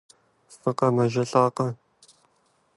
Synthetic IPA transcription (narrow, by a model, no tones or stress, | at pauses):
fɨqɐmɐʒɐɬaːqɐ